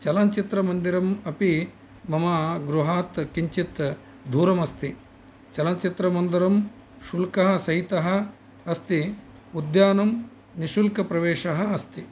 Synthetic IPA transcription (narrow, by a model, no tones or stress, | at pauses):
t͡ʃɐlaːnt͡ʃit̪ɾɐmɐnd̪iɾɐmɐpi | mɐmaːɡɾuɦaːt̪kiɲt͡ʃit̪ | d̪ʱuːɾɐmɐst̪i | t͡ʃɐlaːnt͡ʃit̪ɾɐmɐnd̪ɐɾɐm | ʃulkɐɦɐ̆sɐɦit̪ɐɦɐ̆ | ɐst̪i | ud̪jaːnɐm | niʃulkɐpɾɐʋeːʂɐɦɐːst̪i